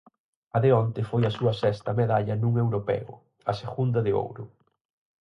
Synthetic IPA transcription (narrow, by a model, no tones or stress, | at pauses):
ɐðɪɔnt̪ɪfojɐsuɐsɛst̪ɐmeðaʎɐnũŋewɾopɛ̰ʊ̰ | ɐseɣund̪ɐðɪo̰wɾʊ̰